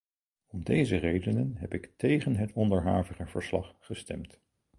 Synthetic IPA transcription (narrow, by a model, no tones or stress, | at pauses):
ɔmdejzərejdənənɦɛpɪktejχənɦətʰɔndəɹɦaːvəχəv̥əɹslɑ̰χːəstɛ̰mt